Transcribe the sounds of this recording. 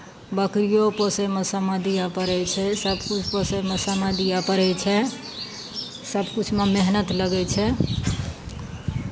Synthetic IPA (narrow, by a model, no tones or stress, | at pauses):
bəkɾijopəsemesəməd̪ijapəɾɛt͡ʃʰɛsəbʱkut͡ʃʰpəsɛmesəməd̪ijapəɾɛt͡ʃʰɛ | səbʱkut͡ʃʰmemeɦnət̪ləɡɛt͡ʃʰɛ